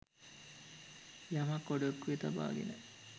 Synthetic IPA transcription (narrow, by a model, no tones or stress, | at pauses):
jamɐkːoɖokːujet̪ɐba̰ːɡḛnə